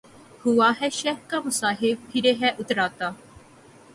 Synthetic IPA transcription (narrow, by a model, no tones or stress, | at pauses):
hʊaːɦɛʃɛːɦkaːmʊsaːɦɪb̚pʰɪɾeɦɛʔʊt̪ɾaːt̪aː